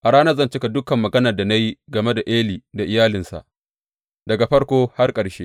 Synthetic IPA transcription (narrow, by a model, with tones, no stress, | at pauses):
ʔa˨ɽaː˦nɐ˦zɐ˦˨nt͡ʃɪ˦ka˨dʊ˦kɐ˨mːɐ˨ɡɐ˦nɐ˨da˨na˦ji˦ɡɐ˨me˦da˨ʔeː˦liː˨da˨ʔɪ˨jaː˦lɪ˨nsa̰˨ʔ | dɐ˨ɡa˨ɸɐ˦ɽkʷoː˦ha˦rkʼɐ˨ɽʃeː˦